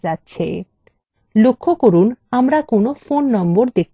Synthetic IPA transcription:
atːɕʰḛ | lokʰːokoɾunamɾakonofonːɔmboɾd̪ek̚

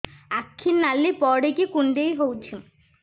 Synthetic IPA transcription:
akʰːinnalːipɔɽekikuɳɖejɦowt͡ʃʰi

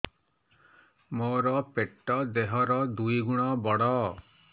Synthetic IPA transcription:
moɾɔpeʈːɔd̪eɦɔɾɔd̪uiɡuɽ̃ɔbɔɽɔ

